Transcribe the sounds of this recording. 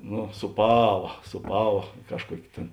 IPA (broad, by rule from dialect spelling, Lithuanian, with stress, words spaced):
nʊ suːˈpɑːʋɐ suːˈpɑːʋɐ ˈkɑːʃˌkuɔkʲ tʲeːn